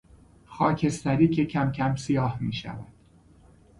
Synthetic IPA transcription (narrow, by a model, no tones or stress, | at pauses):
xɒːcʰest̪æɾiːcʰecʰæmcʰæmsijɒːhmiːʃæ̰væ̰d̪̥